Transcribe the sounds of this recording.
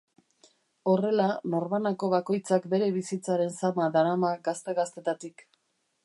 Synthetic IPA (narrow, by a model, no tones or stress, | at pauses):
o̞re̞lano̞ɾmanako̞βako̞jt͡sakbe̞ɾe̞βisit͡saɾe̞nsamaðaɾamaɡast̪e̞ɣast̪e̞t̪at̪ik